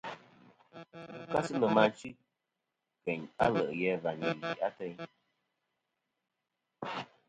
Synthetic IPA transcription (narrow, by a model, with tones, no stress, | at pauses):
u˨ka˦sɨ˦lə˨ma˧˦t͡ʃi˦ | kɛ˨ɲa̰˦lə̰˨ʔjɛ˨˦va˨ɲi˨i˨a˦tɛ˦ɲ